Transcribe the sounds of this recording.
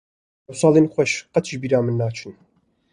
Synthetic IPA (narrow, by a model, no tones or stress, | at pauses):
ɐwsaːlinxʷwɛʃqɐt̪ʰbiɾaːmɨnːaːt͡ʃʰɨn